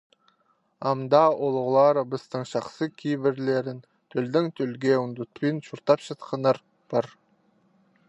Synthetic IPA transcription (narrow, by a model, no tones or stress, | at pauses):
ɑmd̪ɑʔolˠʊʁlˠɑɾəbəst̪əɴʃɑχsəkʲʰijbɪɾle̞ɾɪn | t̪ʰɵld̪ɪŋt̪ʰɵlɡʲeʊnd̪ʊt̪ːujənʃuɾt̪ɑpʃɑt̪qʰɑnɑɾ | b̥ɑɾ